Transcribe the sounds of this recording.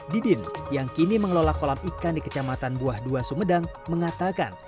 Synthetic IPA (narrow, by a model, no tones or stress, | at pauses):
didɪnjaŋkiniməŋəlolakolamikandikə̥t͡ʃamat̪anbuahduasumədaŋ | məŋat̪aka̰n